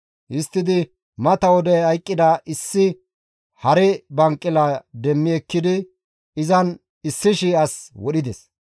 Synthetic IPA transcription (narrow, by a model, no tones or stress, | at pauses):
ʔɪst̪ːɪd̪ɪ | mɐt̪ɐwɔd̪ɛhɐjkʼːɪd̪ɐʔɪsːɪ | hɐɾɛbɐŋkʼːɪlɐd̪ɛmːɪɛkːɪd̪ɪ | ɪzɐn | ɪsːɪʃiːɐswɔɗɪd̪ɛs